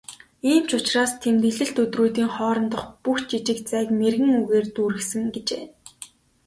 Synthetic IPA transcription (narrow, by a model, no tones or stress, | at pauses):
iːmt͡ɕʊt͡ɕraːst̪ʰemt̪iɮɘ̆ɬt̪ɵt̪ruːt̪iːŋχɔːɾɞ̆nt̪ə̆χpuxt͡ɕit͡ɕɪ̆kt͡sæːkmerɣɘ̆ŋuɣeːrt̪uːɾɘ̆xsɘ̆ŋɡet͡ɕeː